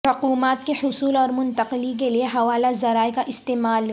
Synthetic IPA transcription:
ɐquːmaːt̪̚kehʊsuːlɔːɾmʊnt̪ɐqɪlik̬elieɦɐʋaːlazɐɾaːekaʔɪst̪eːmaːl

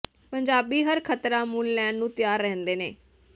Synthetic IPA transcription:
pəɲd͡ʒaːbiːɦəɾkʰət̪ɾaːmʊnlɛ̃ːɳɖnũːt̪ɪjaːɾːɛ̃ːnd̪eːneː

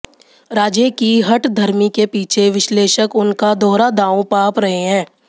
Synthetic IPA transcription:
ɾaːd͡ʒjekiɦɐʈd̪ʱɐɾmikepiːt͡ʃʰeʋɪʃleːʃəkʊnkad̪ɔːɾad̪aːũpaːpɾɐɦeɦɛ̃ː

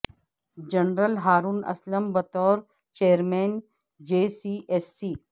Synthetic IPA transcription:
d͡ʑɐnɾəlɦaːɾuːnɐ̰sləmbɐt̪ɔːɾ | t͡ʃeːjəɾmeːn | d͡ʑeːsiːʔesːiː

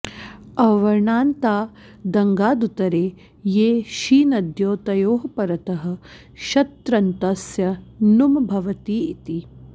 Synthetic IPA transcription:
ɐʋɐɾɳaːnt̪aː | d̪ɐŋɡaːd̪ut̪ɐɾeː | jeːʃiːnɐd̪joːt̪ɐjoːɦɐpɐɾɐt̪ɐɦɐ̆ | ʃɐt̪ɾɐnt̪ɐsjɐnumbʱɐʋɐt̪iːit̪i

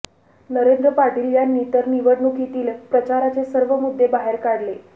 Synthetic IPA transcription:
nəɾend̪ɾəpaʈiːljanːiːt̪əɾniʋəɽnukit̪iːlpɾət͡ɕaɾat͡sesəɾʋəmud̪ːebaɦeɾkaɽle

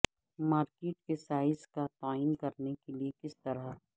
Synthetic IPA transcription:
maːɾkeːʈkesaːɪzkat̪aːiːnkɐɾnekeliekɪst̪ɐɾa

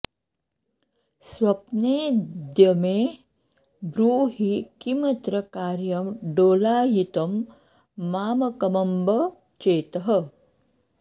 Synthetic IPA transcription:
swɐpneːd̪jɐmeː | bɾuːɦikimɐt̪ɾɐkaːɾjɐmɖoːlaːjit̪ɐmː | aːmɐkɐmɐmbɐ | t͡ʃeːt̪ɐɦɐ

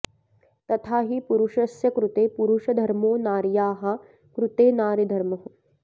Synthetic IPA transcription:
t̪ɐt̪ʰaːɦipuɾuʂɐsjɐkɾut̪eːpuɾuʂɐd̪ʱɐɾmoːnaːɾjaːɦɐ̆ | kɾut̪eːnaːɾid̪ʱɐɾmɐɦu

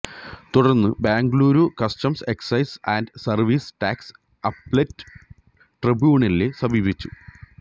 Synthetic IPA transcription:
t̪uɽɐrnːɨbaːŋɡluːɾukɐstɐmse̞ksɐjsaːndsɐrʋiːsʈaːks | ɐplɐtːɨ̥ | ʈribjuːɳɐlilesɐbʱiːbit͡ɕːu̥

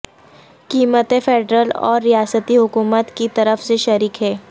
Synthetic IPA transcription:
kiːmət̪efeːɖɾəlɔ̰ːɾːijaːsət̪iɦʊkuːmət̪kit̪ɐɾəfseʃɐɾiːkɦɛː

